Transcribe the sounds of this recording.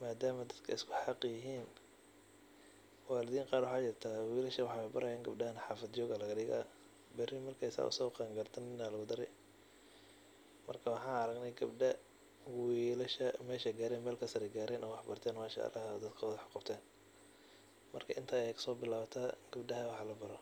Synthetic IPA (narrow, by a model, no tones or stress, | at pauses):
maːd̪aːmɐd̪ɐd̪kʰɐ̰ɪskʰʊħɑqjɪɦiːn | waːlɪðiːɴqɑːɾwɑħɑːt͡ʃɪrt̪ʰawiːlɐʃɐwɑħɑbɐ̰ɾɐjaːŋɡɐbɖɐhɐnħɑːfɐd̪d͡ʒɔːɣɐlɐɣɐɗɪɣa̰ | bɛrɪmɐrkʰɐjsa̰ːʔʊ̰sɔːqɛŋɡɐrd̪ʰɐnɪnːaːlɐɣʊd̪ɐɾɛj | mɐrkʰɐwɑħɑ̃ːnɐɾɐɡnɐjɡɐbɖɐ | wiːlɐʃɐmɛːʃɛɡaːɾɛːnmɛːlkʰɐsɐɾɛɡaːɾɛːnʔɔːwɑħbɐrt̪ʰɛːnmaːʃɐ̰ʔɐ̰lɐ̰hd̪ɐd̪kʰɐwðħqɑbt̪ʰɛːn | mɐ̰rkʰɐʔɪnt̪ʰaːɛjkʰɐ̥sɔːbɪlaːβɐt̪ʰaːɡ̥ɐbɖɐɦɐwɑħɑlɐbɐɾɔ